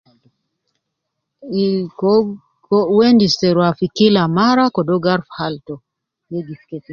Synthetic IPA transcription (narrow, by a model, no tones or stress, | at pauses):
wendisteɾwafikilamaɾakɔdoɡaɾfhaltɔ | jeɡitket